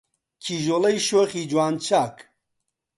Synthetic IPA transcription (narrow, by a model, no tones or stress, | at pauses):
kʰiːʒoːlɐjʃoːχiːd͡ʒwaːnt͡ʃʰaːk